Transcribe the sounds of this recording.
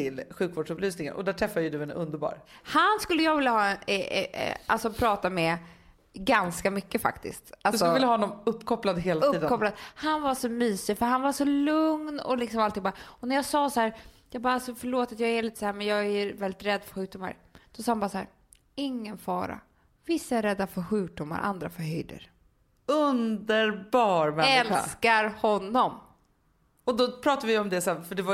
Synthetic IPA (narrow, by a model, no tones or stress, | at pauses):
t̪ʰɪlɧʉ̟ːkvoːɖʂɵplyːsnɪŋə̰nɔ̰d̪æːʈʰɾɛfːad̪jəd̪ɵɛnɵ̰nd̪əɾbɑ̰ːɾhanskɵlːəjɑɡvɪlːahɑːɛn̰ | a̰lsɔpʰɾɑːt̪amɛ | ɡanskamʏkːəfa̰kt̪ɪ̰st̪alssɔvɪlːahɔnɔmɵpːkʰɔplad̪ɦeːlaɵiːd̪kʰɔplad̪hanvaʂɔmyːsɪfœɾɦanvaʂɔlɵŋnɔ̰lɪksɔmalt̪ʰːɪŋbɑɾaɔnæɾjɑːsɑːsɔhæːɾ | jɑːɡbɑːɾaasɔfœɭoːt̪at̪jɑːɡæliːt̪ə̥sahæːɾmɛnjɑːɡævɛld̪ɪt̪ɾɛd̪ːfœɾɧʉ̟ːk̚d̪ʊmːa̰ɾd̪̥ɔsɑːhanbɑɾasahæːɾ | ɪŋːənfɑːɾa̰ | vɪsːaɛɾɛd̪ːafœɾɧʉ̟ːk̚d̪ʊmːa̰ɾʔa̰nd̪ɾa̰fœɾɦœjd̪ə̰ɾ | ɵnd̪əɾbɑːɾmɛɛla̰skaɾhɔnːɔm | ɔd̪ɔpʰɾɑːt̪avɪɔmd̪ɛsæːfœɖɛva